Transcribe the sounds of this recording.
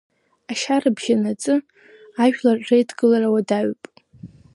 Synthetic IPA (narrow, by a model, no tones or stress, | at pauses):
aʃarɨbʒanat͡sʼɨ | aʒᶣlarejtʰɡɨlarawadaɥpʼ